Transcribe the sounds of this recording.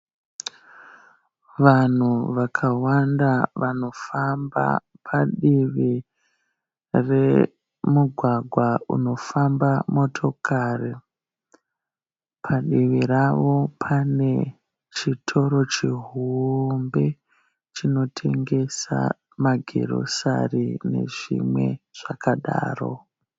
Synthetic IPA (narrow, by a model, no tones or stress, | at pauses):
ʋan̤uʋakʰawandaʋano̞famba̰ | pʰaɗiʋi | re | muɡʱwaɡʱwaṵno̞fambamo̞tʰo̞kʰari | pʰaɗiʋiɾaʋo̞pʰane̞ | t͡ʃitʰo̞ɾo̞t͡ʃiɦumbe̞ | t͡ʃino̞tʰe̞ŋɡesa̰ | maɡʱḛɾo̰sa̰rine̞̰ʐḭmwe̞̰ʐ̥akaɗa̰ːro̰